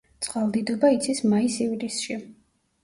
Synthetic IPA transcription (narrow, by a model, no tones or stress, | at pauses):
t̪sʼqʼalˠd̪id̪ɔbait̪sʰismaisivlisʃi